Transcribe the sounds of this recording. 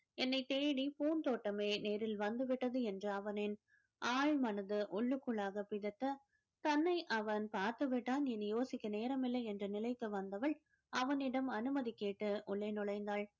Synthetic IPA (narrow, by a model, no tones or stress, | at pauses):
ɛnːɐɪt̪eːɽipuːnt̪oːʈːɐmeːneːɾɪlʋɐnd̪ɯʋɪʈːɐðɯɛndrɯɐʋɐnɪn | ʔaːɻmɐnɐðɯʔɔɭːɯkːɯɭaːɣɐpɪðɐt̪ːɐ | t̪ɐnːɐɪʔɐʋɐnpaːɾt̪ɐʋɪʈːaːnɛnjoːsɪkːɐneːɾɐmɪlːɐɪɛndrɐnɪlɐɪk̪ːɯʋɐnd̪ɐʋɐɭ | ʔɐʋɐnɪɽɐmɐnɯmɐðikːeːʈːɯʔʊɭːeːnɔɭɐɪnd̪aːɭ